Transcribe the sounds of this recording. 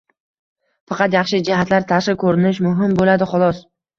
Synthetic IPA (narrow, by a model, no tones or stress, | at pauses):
fɑqʰɑt̪jɑχʃɪd͡ʒɪhat̪laɾt̪ʰaʃɪkʰɵɾɪnɪʃmʊɦɪmbolad̪ɪχɒlˠɒs